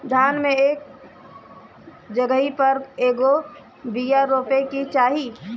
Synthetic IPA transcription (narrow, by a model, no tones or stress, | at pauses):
d̪ʱaːnmẽeːk̚ | d͡ʒəɡəɦipəɾeːɡo | bijaɾoːpekit͡ʃaːɦi